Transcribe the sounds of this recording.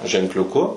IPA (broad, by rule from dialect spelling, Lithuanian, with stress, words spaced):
ʒʲɛŋklʲʊˈkʊ